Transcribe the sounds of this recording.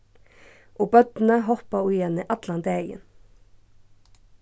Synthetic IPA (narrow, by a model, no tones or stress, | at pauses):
ʔoːbœd̪n̩əhɔpɑʊjɛneːʔɑd̪lɑnd̪eə̰n